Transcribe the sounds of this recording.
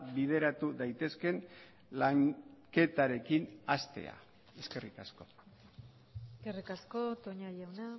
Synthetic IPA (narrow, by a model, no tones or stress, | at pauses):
βið̞e̞ɾat̪uðajt̪e̞ske̞n | laŋke̞t̪aɾe̞kinast̪e̞̰a̰ | e̞ske̞rikasko̞ | skerikasko̞t̪oɲajawna